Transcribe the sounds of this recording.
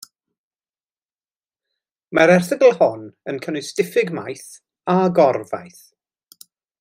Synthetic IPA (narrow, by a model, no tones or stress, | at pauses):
maɾɛrθəɡəlˠhɔnənkʰənʊstɪfɪɡmajθ | aɡɔrva̰jθ